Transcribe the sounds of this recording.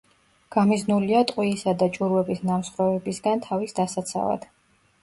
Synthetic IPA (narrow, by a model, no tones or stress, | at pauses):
ɡ̥amiznuliat̪ʼqʼwisad̪at͡ʃʼuɾwɛbisnamsχɾɔvɛbisɡant̪ʰavisd̪asat̪sʰa̰la̰d̪̥